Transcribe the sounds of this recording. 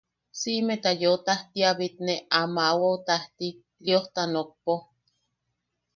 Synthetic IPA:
simet̪ajoot̪aht̪iaβit̪neamawaot̪aht̪i | lioht̪anok̚po

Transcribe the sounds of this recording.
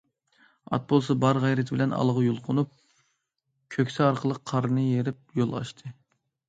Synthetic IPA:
ɑ̰t̪̚bolˠsɑbɑɾʁɑjɾɪt̪ʰɪbɪlɛnɑ̰lˠʁɑjulˠqʰʊnup̚ | kʲʰøkʲsɛɑɾqʰəlˠəqʰːɑɾnɨjeɾɪp̚jolˠɑ̰ʃt̪ʰɨ

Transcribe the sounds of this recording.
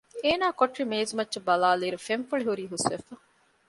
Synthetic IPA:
eːnaːkoʈrimeːzumɐtːt͡ʃebɐlaːleːɾufeɱfɐɭiɦuɾiːɦusʋefɐ

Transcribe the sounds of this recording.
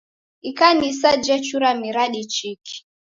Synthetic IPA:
ikanisad͡ʒɛt͡ʃuɾamiɾaɗit͡ʃiki̥

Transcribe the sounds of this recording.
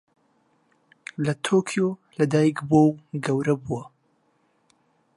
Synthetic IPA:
lɐt̪ʰokʰijolɐd̪aːjikbowɡɐwɾɐbuwɐ

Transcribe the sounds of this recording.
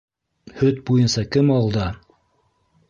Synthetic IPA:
hɵt̪̚bujɤnsɑkɘmɑlˠd̪ɑ

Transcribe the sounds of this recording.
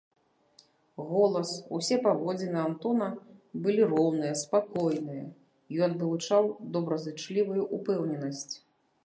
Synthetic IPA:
ɣɔlˠɐsusʲɛpavɔd͡zʲinɨant̪ɔnɐbɨlʲiɾɔwnɨjɐspakɔjnɨjɐ | jɔnvɨlˠut͡ʂawd̪ɔbɾɐzɨt͡ʂlʲivɐjuʔupɛwnʲɛnɐsʲt͡sʲ

